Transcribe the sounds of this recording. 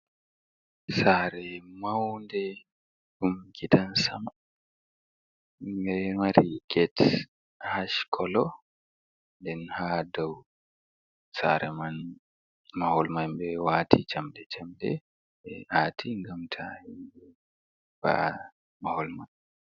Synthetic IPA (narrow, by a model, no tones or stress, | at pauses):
saɾɛmawndɛ | ɗumkʰitansama | bɛmaɾiɡɛt | haʃkʰɔlɔ | ndɛnhadaw | sa̰ɾɛman | mahɔlmanbɛwaːtʰit͡ʃamdɛt͡ʃamdɛ̰ | ɛʔatʰiŋɡamtʰahinbɛ | b̥a̰ʔa | mahɔlman